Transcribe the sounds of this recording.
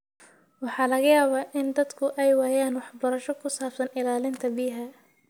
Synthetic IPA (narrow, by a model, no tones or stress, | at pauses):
wɑħɑːlɐɣɐjaːβaːʔɪnd̪ɐd̪kʰʊʔɛjwaːjaːnwɑħbɐɾɐʃɔkʰʊsaːb̥sɐnɪlaːlɪnt̪ʰɐbiɦɛ